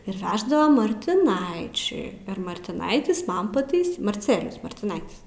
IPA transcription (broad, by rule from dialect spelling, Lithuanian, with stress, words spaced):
ɪr ˈʋʲæːʒdɐʋɐ mɐrʲtʲɪˈnɐɪt͡ʃʲʊɪ ɪr mɐrʲtʲɪˈnɐɪtʲɪs ˈmɐn pɐˈtɐɪs mɐrʲˈt͡sʲæːlʲɪjʊs mɐrʲtʲɪˈnɐɪtʲɪs